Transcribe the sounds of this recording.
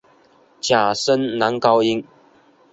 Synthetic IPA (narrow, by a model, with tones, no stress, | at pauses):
t͡ɕja˨˩sə˦˥nna˨˧˦nkɑ˥˦ʊi˦˥ŋ